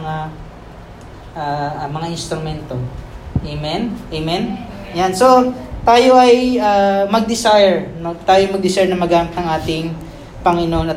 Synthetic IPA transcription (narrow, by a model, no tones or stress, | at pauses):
ŋa | ʔaːmɐŋaʔɪnst̪ɾʊmɛnt̪o̞ʔemɛnʔejmɛnjanso̞t̪aːjo̞ʔɐjʔamɐɡ̚d̪ɪsajɛɹmɐt̪aːjomɐɡ̚d̪ɪsɛɹnɐmɐɡaːmɪknɐŋʔaːt̪ɪŋ | pɐŋɪnonɐ